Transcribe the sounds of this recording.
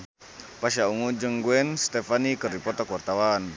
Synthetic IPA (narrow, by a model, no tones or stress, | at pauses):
paʃauŋud͡ʒəŋɡuɛnst̪ɛfanikəripɔt̪akuwart̪awan